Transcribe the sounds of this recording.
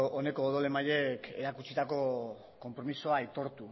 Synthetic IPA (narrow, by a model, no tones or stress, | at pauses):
one̞ko̞ːðole̞maʎe̞ke̞̰ɾakut͡sit̪ako̞ | ko̞mpɾo̞miso̞ait̪o̞ɾt̪u